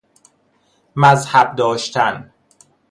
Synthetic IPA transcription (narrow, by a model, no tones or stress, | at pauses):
mæzhæb̚d̪ɒːʃt̪ʰæn